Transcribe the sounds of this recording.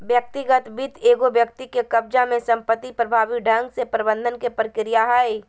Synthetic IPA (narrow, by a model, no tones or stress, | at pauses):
bjək̚t̪ɪɡət̪bit̪ʰeːɡobjəkt̪ikekɐb̚d͡ʒamẽsɐ̃mpət̪ːipɾɐbʱaːʋiɖʱɐ̃ŋɡsepɾɐbə̃nd̪ʱənkepɾəkɾijaɦai